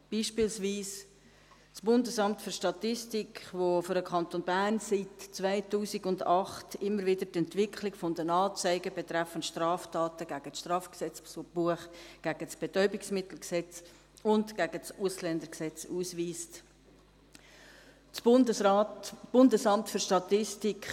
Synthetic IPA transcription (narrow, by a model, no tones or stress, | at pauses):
b̥iːʃpiːlsviːs | t͡sb̥ʊndəsɑmtføɾʃtɑt̪ɪstɪkvoføɾəkχɑnt̪onbærnsitt͡svaɪtuːsiɡʊndɑχtɪmːəɾvɪdətɛntvɪkʰχlɪɡ̥fɔndənɑːt͡saɪɡəbet̪ɾæfənʃtrɑːftɑːtəɡ̥æɡ̥əsʃtrɑːfksɛt͡ssb̥uəχɡ̥æɡ̥ət͡sb̥etœʏbɪksmɪtl̩ksɛt͡s | ʊntɡ̥æɡət͡suslɛnd̪əɾksɛt͡suːsviːst | b̥ʊndəsɑmtfʏɾʃtɑt̪ɪstikχ